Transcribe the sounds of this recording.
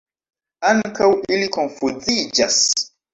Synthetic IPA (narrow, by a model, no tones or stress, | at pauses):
aŋkawilikonfud͡zid͡ʒas